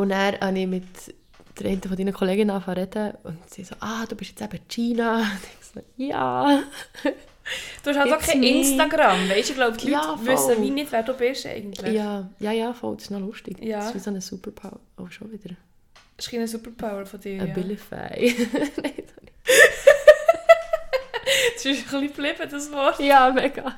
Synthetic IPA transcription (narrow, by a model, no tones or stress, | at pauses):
ʊnæːɾɑnɪmɪt | d̥əɾɛɪntəfɔdiːnəkʰɔleːɡɪnɑfɑɾɛtəʊnkseːsoːʔɑːd̥uːb̥ɪʃjɛt͡sæb̥ət͡ʃiːnɑnt̪hɛsojɑ̰ː | d̥uɛʃhɑsokʰɛɪnstɑɡɾɑmvɛɪʃɪɡ̥loʊptlyjɑːfʏɔslːəvinɪtvʋɛːɾd̥uːbɪʃɛ̰ɪɡn̩t̪lɪjɑːjɑːjɑːfɔ̰ldsɪ̥ʃnɔlʊʃtɪkːsisɔnəsupəɾpʰaʊəo̰ʃoʋɪd̥̪əɾ | ɪʃχinəs̬upəɾpʰaʊəɾfɔd̥ɪːəbɪlifæ̰ɪnɛɪsonɪ | ɪʃχliblɪb̥ədəsvɔtjaːmɛɡɑ